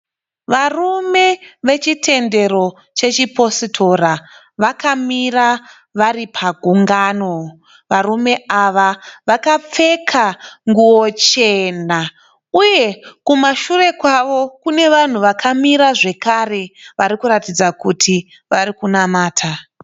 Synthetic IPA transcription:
ʋarume̞ʋe̞t͡ʃitʰe̞nde̞ɾo̞ | t͡ʃe̞t͡ʃipo̞sitʰo̞ɾa | ʋakamira | ʋaɾipʰaɡʱuŋɡano̞ | ʋarume̞aʋaʋakap͡fe̞kʰaŋɡuwot͡ʃe̞na | uje̞kumaʃure̞kwaʋo̞kune̞ʋan̤uʋakʰamiɾaʐe̞kare̞ʋaɾikuɾatid͡zakutʰi | ʋaɾikunamaːtʰa

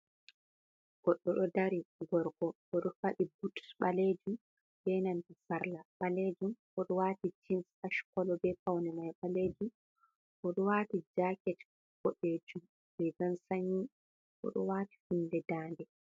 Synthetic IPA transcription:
ɡ̥ɔɗːɔɗɔdaɾiɡɔɾɡɔʔɔɗɔfaɗibutɓaled͡ʒum | bɛnantisaɾlaɓaled͡ʒumʔɔɗɔwaːtid͡ʒinsaʃkɔlɔbɛpawnɛmajɓaleːd͡ʒum | ʔɔɗɔwaːtid͡ʒaːkɛt | kɔɗːed͡ʒum | bɛɡansaɲi | ʔɔ̰ɗɔwaːti̥hunːdɛdaːndɛ

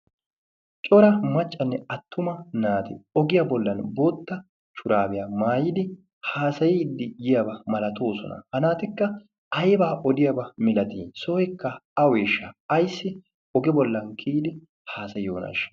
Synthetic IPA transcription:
t͡ʃʼɔɾɐmɐt͡ʃʼːɐnːɛɐt̪ʰːʊmɐnaːt̪ɪɔɡɪjɐbɔlːɐnboːt̪ːɐ | t͡ʃʊɾaːbɪjamaːjɪd̪ɪ | haːsɐjɪːd̪ːɪjɪjɐbɐmɐlɐt̪o̞ːsɔ̰nɐ̰hɐnaːt̪ɪkːɐ | ɐjbaːʔɔd̪ɪjɐbɐmɪlɐt̪iːsoːjɛkːɐɐweːʃːɐɐjsːɪ | ɔɡɛbɔlːɐnkʰiːd̪ɪ | haːsɐjɪjoːnɐ̰ʃ

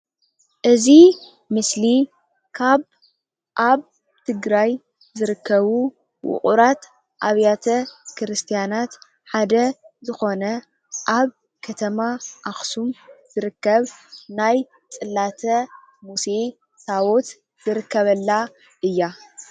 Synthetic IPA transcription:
ʔɨzi | mɨsli | kʰaβ | ʔaβ | t̪ʰɨɡɾaj | zɨɾɨkʰːɐβu | wʊ̰χʼuɾat̪ | ʔaβjat̪ʰɐkʰɨɾɨst̪ʰijanat̪ | ħad̪ɐzɨxo̞nɐ | ʔaβ | kʰɐt̪ʰɐmaʔaxsumz̥ɨɾɨkːɐβnaj | t͡sʼɨlːat̪ʰɐ | muse̞ | sawo̞t̪ | z̥ɨɾɨkʰːɐβɐlːa | ʔɨjːa

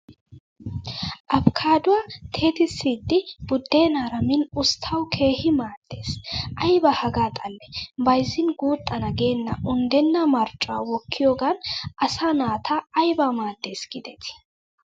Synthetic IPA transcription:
ʔɐbkʰaːd̪ʊwat̪ʰe̞ːt̪ɪsːiːd̪ːɪb̥ʊd̪ːeːnaːɾɐmɪnʊst̪ʰːɐwkʰe̞ːhɪmaːd̪̥ːeːsʔɐjbɐhɐɡaːt̪ʼɐlːɛbɐjzɪnɡuːt̪ʼːɐnɐɡeːnːɐʔʊnd̪ɛnːɐmɐɾt͡ʃʼːɔawɔkʰːɪjoːɡɐnɐsaːnaːt̪ʰaɐjbɐmaːd̪̥ːe̞ːsɡ̥ɪd̪ɛt̪ʰɪ̥

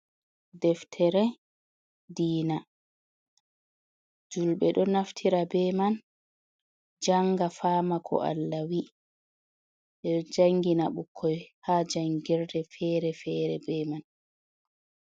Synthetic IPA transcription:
dɛftʰɛɾɛ | diːna | d͡ʒulɓɛɗɔnaftʰiɾabɛman | d͡ʒaŋɡafaːmakʰɔ̰ʔa̰lːawi | ɗɛd͡ʒaŋɡinaɓukʰːɔjhaːd͡ʒaŋɡɛɾdɛfɛːɾɛfɛɾɛ̰bɛman

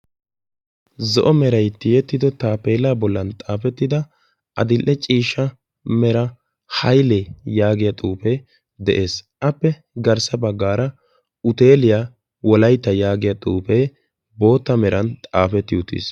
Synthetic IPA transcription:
zɔʔɔmɛɾɐjt̪ːɪjɛt̪ːɪd̪ɔt̪aːpeːlaːbɔlːɐnt̪ʼaːfɛt̪ːɪd̪ɐ | ʔɐ̰d̪ɪlʔɛt͡ʃʼiːʃːɐ | mɛɾɐ | hɐjlɛjaːɡɪjat̪ʼuːpe | d̪ɛʔe̞ːsʔɐpːɛ | ɡɐɾsɐbɐɡːaːɾɐ | ʊt̪e̞ːlɪja | wɔlɐjt̪ːɐjaːɡɪjat̪ʼuːpe | bo̞ːt̪ːɐmɛɾɐnt̪ʼaːfɛt̪ːɪʊt̪ːḭs

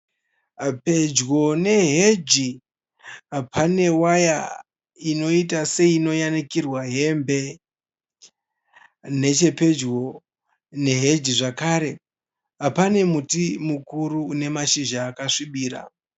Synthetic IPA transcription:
pe̞d͡ʒɡo̞ne̞ɦed͡ʒi | apane̞waja | ino̞itase̞iːno̞janikirwaɦe̞mbe̞ | ne̞t͡ʃe̞pe̞d͡ʒɡo̞ | ne̞ɦe̞d͡ʒiʐakaɾe̞ | apane̞mutimukuɾuːne̞maʃiʒaːkaʂiɓiːɾa̰

